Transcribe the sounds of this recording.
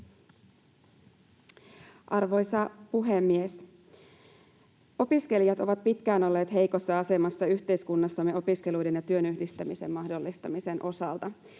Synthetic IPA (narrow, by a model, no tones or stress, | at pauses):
ʔɑrʋo̞jsɑpuɦe̞mːies | o̞piske̞lijɑt̪o̞ʋɑt̪̚pit̪k̟æːno̞lːeːt̪ɦe̞jko̞sːɑɑse̞mɑsːɑyçt̪e̞jskunːɑsːɑmːe̞o̞piske̞lujde̞njɑt̪yø̞nyhdist̪æmise̞mːmɑhdo̞lːist̪ɑmise̞nʔo̞sɑlt̪ɑ